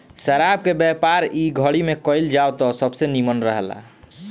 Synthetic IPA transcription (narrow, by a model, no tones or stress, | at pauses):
səɾab̚kebɛpaɾiɡʱəɽimekəjld͡ʒawt̪ɔsəbsenimənɾəɦəla̰